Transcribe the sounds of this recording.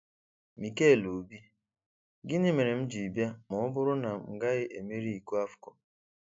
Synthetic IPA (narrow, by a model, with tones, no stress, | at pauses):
mi˨ke˦˨lo˨bi˦ | ɡɪ˦ni˦me˨ɾe˨m̩˦d͡ʒi˨bja˦mʊ˨ʊ˦bʊ˦ɾʊ˦na˨ŋ̩˨ɡa˦ɣɪ˦ʔe˨mi˦ɾi˦i˨ku˦a˦fkɔ˨